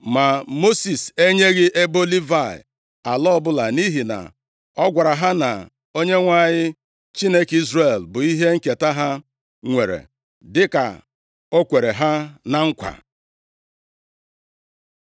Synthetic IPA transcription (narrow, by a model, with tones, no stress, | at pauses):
ma˨mo˦si˨se˦ɲe˦ɣɪ˦ʔe˦bo˦li˦va˦˨ɪ̰˨ | a˨lɔ˦ɔ˦bʊ˦la˨ni˦ɦi˨na̰˨ | ɔ˦ɡʷa˨ɾa˨ɦa˦na̰˨ | o˦ɲe˦ŋʷa˦ɲɪ˦ | t͡ʃi˦ne˦ki˦zre˦˨lbʊ˨i˦ɦe˦ŋ̩˦ke˨ta˦ɦa˦ | ŋʷe˨ɾḛ˨ | dɪ˦ka̰˨ | o˦kʷe˨ɾe˨ɦa˦na˨ŋ̩˦kʷa̰˨